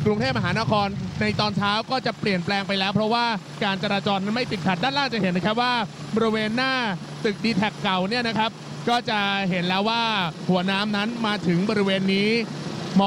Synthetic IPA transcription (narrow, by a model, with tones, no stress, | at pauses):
kɾu˧ŋt̪ʰeː˥˩p̚ma˧ɦaː˩˦na˦˥kʰɔː˧nːa˧jt̪ɔː˧nt͡ɕʰaː˦˥wkɔː˥˩t͡ɕa˨˩pli˨˩ənplɛː˧ŋpa˧jlɛː˦˥wpʰɾɔ˦˥waː˥˩ | kaː˧nt͡ɕa˧ɾaː˧t͡ɕɔː˧nːa˦˥nma˥˩jpi˨˩t̪̚kʰa˨˩t̪̚daː˥˩nlaː˥˩ŋt͡ɕa˨˩hɦe˩˦nːa˦˥kʰa˦˥p̚waː˥˩ | bɔː˧ɾi˦weː˧nːaː˥˩ | t̪ɯ˨˩k̚diː˧t̪ʰɛ˨˩kːa˨˩wni˥˩ɐna˦˥kʰa˦˥p̚ | kɔː˥˩t͡ɕa˨˩ɦe˩˦nlɛː˦˥waː˥˩hu˩˦ɐnaː˦˥mna˦˥nmaː˧t̪ʰɯ˩˦ŋbɔː˧ɾi˦˥weː˧nːiː˦˥mɔ˧